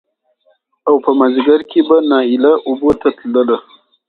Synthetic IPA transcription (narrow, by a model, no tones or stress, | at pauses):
awpəmaziɡaɾkʰebanɑɪlaʔʊbot̪at̪ləla